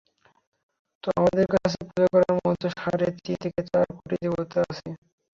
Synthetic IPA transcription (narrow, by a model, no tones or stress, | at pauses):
t̪oamad̪eɾkat͡ɕʰepɾud͡ʑokɔɾaɾmɔt̪oʃaɾet͡ɕit̪ʰeket͡ɕaɾkoʈid̪ibot̪eat͡ɕʰe